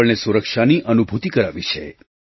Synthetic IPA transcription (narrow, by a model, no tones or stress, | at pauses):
əɭnesuɾəkʃaniʔənubʱut̪ikəɾaʋit͡ʃʰḛ